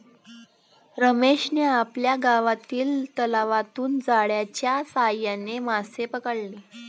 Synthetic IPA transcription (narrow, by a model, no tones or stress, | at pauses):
ɾəmeʂneapljaɡaʋat̪iːlt̪əlaʋat̪uːnd͡zaɽjat͡ɕjasajanemasepəkəɽle